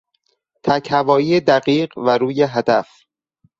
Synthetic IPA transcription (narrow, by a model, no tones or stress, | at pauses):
t̪ʰæchævɒːjiːed̪æɢiːɢvæɾuːjeɦæd̪æf